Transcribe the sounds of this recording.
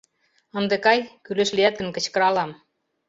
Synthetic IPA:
ə̆nd̪ĕkɑjkyleʃliæt̪̚ə̆nkə̆t͡ɕkə̆ɾɑlɑm

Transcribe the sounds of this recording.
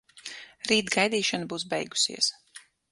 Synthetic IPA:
ɾiːt̪ɡajd̪iːʃanbuːsbɛ̰jɡu̥sḭɛəs

